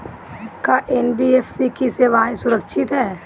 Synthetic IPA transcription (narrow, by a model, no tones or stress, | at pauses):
kaʔeːnbiefʰsikiseːʋaːĩsʊɾəkʃʰɪt̪ɦɛː